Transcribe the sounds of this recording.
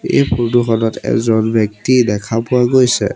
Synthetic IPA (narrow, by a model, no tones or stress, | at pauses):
ḛjpɹoduxɔnɔtɛ̰zɔnbɛk̚tidɛkʰapʊaɡojsɛ̰